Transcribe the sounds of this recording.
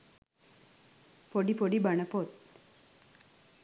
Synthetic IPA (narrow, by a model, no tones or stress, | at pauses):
poɽipoɽibɐɳɐpot̪